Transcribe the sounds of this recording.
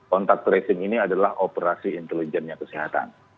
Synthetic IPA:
kɔnt̪ak̚t̪ɾesɪŋiniadalahʔopəɾasiːnt̪ɛlid͡ʒɛnɲakəsiɦat̪a̰n

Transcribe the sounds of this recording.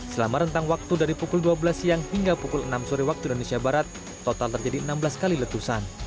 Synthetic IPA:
səlamaɾənt̪aŋwak̚t̪udaɾipukʊlduabəlasjaŋhiŋɡapukʊlənamsuɾiwak̚t̪uinonesiabaɾat̪̚ː | ot̪alt̪ərd͡ʒadiənambəlaskalilət̪usan

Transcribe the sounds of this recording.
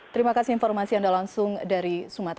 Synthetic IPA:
t̪əɾimakasɪinfɔrmasiandalaŋsʊŋdaɾisumat̪

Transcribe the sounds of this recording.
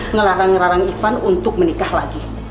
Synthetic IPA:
ŋəlaɾaŋɾaɾaŋifanunt̪ʊk̚mənikahlaɡi

